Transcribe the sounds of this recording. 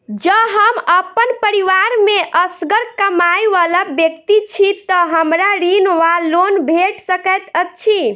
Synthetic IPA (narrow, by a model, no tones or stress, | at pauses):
d͡ʒəɦəməpːənpəɾiʋaɾmeʔəsɡəɾkəmajʋalabjəkt̪it͡ʃʰit̪əɦəmɾaɾinʋalonbʱeʈsəkət̪ət͡ʃʰi